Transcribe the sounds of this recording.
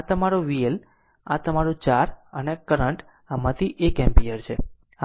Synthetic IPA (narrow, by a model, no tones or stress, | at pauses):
at̪əmaɾoʋiel | a̰t̪əmaɾũt͡ʃaɾənekəɾəɳʈ | amãt̪ʰiʔekɛmpiəɾt͡ʃʰe